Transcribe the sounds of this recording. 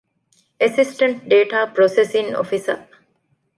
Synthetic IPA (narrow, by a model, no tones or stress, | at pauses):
esisʈɐɳʈ̚ɖeːʈaːpɾosesiŋo̰fisɐ